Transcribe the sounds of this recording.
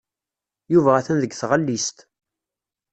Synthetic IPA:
juvææθænðəɡθʁəlːist̪

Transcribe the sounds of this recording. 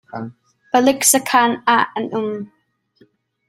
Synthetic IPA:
pəlɪksəkʰanaʔənum

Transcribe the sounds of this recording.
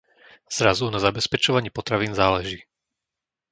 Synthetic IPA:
z̥ɾazunazabɛspɛt͡ʃɔʋaɲɪɛpɔt̪ɾaʋiːnzaːlɛʒiː

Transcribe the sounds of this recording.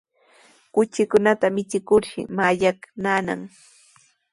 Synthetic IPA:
kʊt͡ʃɪkʊnat̪amɪt͡ʃɪkʊɾʃɪ̰maʎaknana̰ŋ

